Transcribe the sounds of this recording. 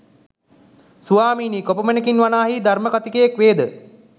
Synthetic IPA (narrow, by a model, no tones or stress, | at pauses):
suʋaːmiːnikopəmənəkinʋanaːɦid̪ʱarməkat̪ikəjekʋeːd̪ə